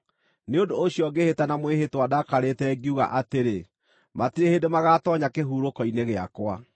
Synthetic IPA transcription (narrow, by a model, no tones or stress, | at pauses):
neondoːɕiɔɡehetanamweɦetwadakaɾetɛɡiuɣa̰ʔateɾe | matiɾeheːndemaɣaːtɔɲakeɦuːɾokɔineɣea̰kwa